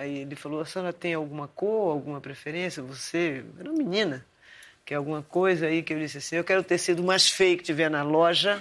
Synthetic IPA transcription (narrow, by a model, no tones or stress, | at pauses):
aielɪfaloasɐ̃nɐt̪ẽj̃awɡũmɐkoawɡũmɐpɾefeɾẽsjɐvoseɛũmɐmĩnĩnɐ | kɪawɡũmɐkojzɐikɪewd͡ʒisɪasĩewkɛɾʊt̪eɾsid̪ʊmajsfejʊkɪ̥t͡ʃivɛnɐlɔʒɐ